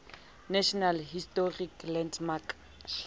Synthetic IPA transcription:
naʃɔnalɦistɔriklɛnsmak

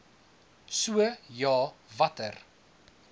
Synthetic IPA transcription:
suəjɑːvɐtər

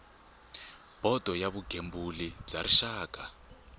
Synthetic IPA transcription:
b̥ʱɔd̥ʱɔjaβuɡ̥ʱembulib͡ʐaɾiʃaːɡ̥ʱʼa

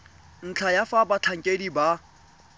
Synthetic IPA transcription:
n̩t͡ɬʰajafabat͡ɬʰaŋ̩kʼediba

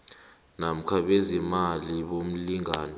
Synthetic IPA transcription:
nam̩kʰaɓezimaliɓom̩liŋaːnɛ

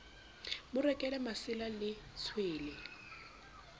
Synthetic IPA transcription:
mʊrɛkʼɛlɛmasɪlalɪ | t͡sʰweːlɛ

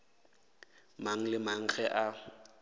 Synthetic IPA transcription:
maŋ̩lɪmaŋ̩ɣɛʔa

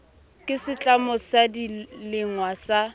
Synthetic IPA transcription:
kʼɪsɪt͡ɬʼamʊsadilɪŋwasa

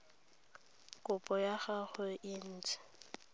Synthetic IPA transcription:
kʼʊpʼɔjaɣaχʊʔɪn̩ːt͡sʼɛ̥

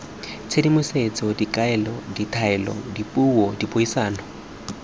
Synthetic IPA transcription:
t͡sʰedimʊset͡sʼɔdikʼaɛlɔditʰaɛlɔ̰dipʼuwɔdipʼoisaːnɔ

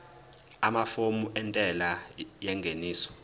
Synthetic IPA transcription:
amafomuʔɛntʼɛlajɛŋɡʱeniːsɔ̥

